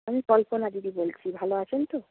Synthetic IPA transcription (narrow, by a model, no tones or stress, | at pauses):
amikɔlpɔnadid̪ibolt͡ʃʰibʱalɔasʰɛnt̪o